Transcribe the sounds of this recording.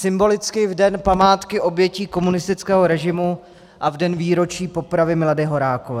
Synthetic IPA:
sɪmbo̞lɪt͡skɪvdɛnpamaːt̪kɪʔo̞bjɛciːko̞munɪst̪ɪt͡skɛːɦoɾɛʒɪmu | ʔavdɛnviːɾo̞t͡ʃiːpo̞pɾavɪmɪladɪɦo̞ɾaːkovɛː

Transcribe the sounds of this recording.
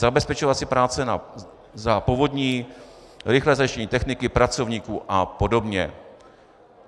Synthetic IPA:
zabɛspɛt͡ʃovat̪sɪpɾaːt͡sɛna̰ | zapovodɲiː | ɾɪxlɛːzajɪʃcɛɲiːt̪ɛxnɪkɪpɾat͡so̞vɲiːkuːʔapodo̞bɲɛ̰

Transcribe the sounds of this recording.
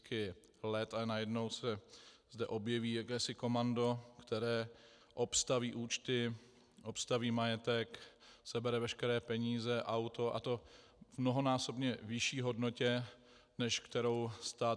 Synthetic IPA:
kʰɪ | lɛt̪aɛnajɛdno̞wsɛzdɛʔo̞bjɛviːjakɛːsɪko̞mando̞kt̪ɛɾɛː | ʔo̞pst̪aviːʔuːt͡ʃt̪ɪ | ʔopst̪aviːmajɛt̪ɛksɛbɛɾɛvɛʃkɛɾɛːpɛɲiːzɛʔawt̪o̞ʔa̰t̪o̞ | vmnoɦo̞naːso̞bɲɛvɪʃiːɦo̞dnocɛ | nɛʃkt̪ɛɾo̞wst̪aː

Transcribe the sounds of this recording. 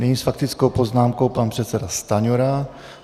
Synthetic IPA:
nɛɲiːsfakt̪ɪt͡skowpoznaːmkowpanpr̝̥ɛt̪t͡sɛdast̪aɲoɾa

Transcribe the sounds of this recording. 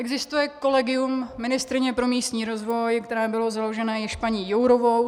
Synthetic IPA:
ʔɛɡzɪst̪ujɛko̞lɛɡɪjumːɪnɪst̪ɾɪɲɛpɾo̞miːst̪ɲiːɾo̞zvo̞jkt̪ɛɾɛːbɪlo̞zaloʒɛnɛːjɛʃpaɲijowɾovow

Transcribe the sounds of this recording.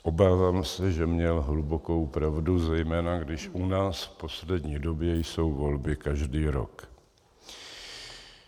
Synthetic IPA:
ʔo̞baːvaːmsɛʒɛmɲɛlɦluboko̞wpɾavduzɛjmɛːnaɡdɪʃʔunaːsfpo̞slɛdɲiːdo̞bjɛjso̞wvo̞lbɪkaʒdiːɾo̞̰k

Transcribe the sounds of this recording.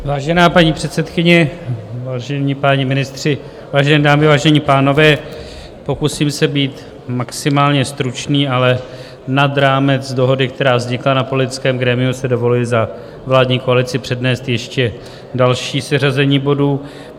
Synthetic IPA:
vaːʒɛnaːpaɲiːpr̥ɛt̪sɛt̪kɪɲɛvaːʒɛɲiːpaɲɪmɪnɪst̪r̝̥ɪ | vaːʒɛnɛːdaːmɪvaːʒɛɲiːpaːno̞vɛː | po̞kusiːmsɛbiːt̪ | maksɪmaːlɲɛst̪ɾut͡ʃniːalɛ | nad̪ɾaːmɛt͡sdo̞ɦo̞dɪk̚t̪ɛɾaːvzɲɪklanapo̞lɪt̪ɪt͡skɛːmɡɾɛːmɪusɛdo̞vo̞lujɪza | vlaːdɲiːko̞alɪt͡sɪpr̝̥ɛdnɛːst̪jɛʃcɛ | dalʃiːsɛrazɛɲiːbo̞duː

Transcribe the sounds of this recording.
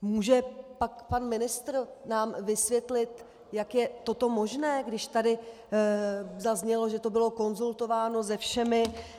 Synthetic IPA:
muːʒɛpakpanmɪnɪst̪ɾnaːmvɪsvjɛt̪lɪt̪ | jakjɛt̪o̞t̪o̞mo̞ʒnɛːɡdɪʃt̪adɪ | zazɲɛlo̞ʒɛt̪o̞bɪlo̞ko̞nzult̪o̞vaːno̞zɛfʃɛmɪ

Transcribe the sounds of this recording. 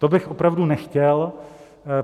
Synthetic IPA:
t̪obɪxʔopɾavdunɛxcɛl

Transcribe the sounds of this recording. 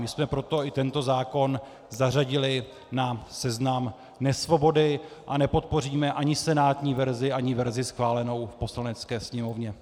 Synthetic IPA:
mɪsmɛpɾo̞t̪o̞ɪt̪ɛnt̪o̞zaːko̞n | zaraɟɪlɪ | nasɛznam | nɛsvo̞bo̞dɪʔanɛpo̞t̪̚po̞riːmɛʔaɲɪsɛnaːt̪ɲiːvɛɾzɪʔaɲɪvɛɾzɪsxvaːlɛno̞wfpo̞slanɛt͡skɛːsɲɛmo̞vɲɛ

